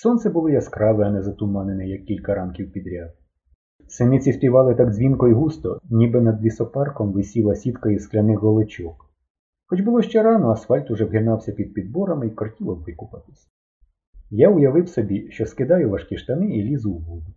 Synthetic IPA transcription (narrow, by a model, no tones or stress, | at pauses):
sɔnt̪sɛbʊlˠɪjɐskɾɑʋɪɐnɛzɐt̪umɑnenɪjɐkʲːilʲkɐɾɑnkʲiwpʲid̪ɾʲad̪ | sɪnɪt͡sʲisʲpʲiʋɑlˠɪt̪ɑɡzʲʋʲinkɔiɦust̪ɔnʲibɪnɐd̪ʋʲisɔpɑrkɔmʋɪsʲilˠɐsʲit̪kɐisklʲɐnɪxɣɔlˠet͡ʃɔk | xɔt͡ʃbʊlˠɔʃt͡ʃɛɾɑnɔɐsfɑlʲt̪ʊʒɛwɦɪnɑwsʲɐpʲid̪̚pʲid̪̚bɔɾɐmikɔrtʲiwɔb̪ʋɪkʊpɐt̪ɪ̥sʲɐ | jaʊjɐʋɪwsɔbʲiʃt͡ʃɔskɪd̪ɑjʊʋɐʃkʲiʃt̪ɐnɪilʲizʊwbud̪ʊ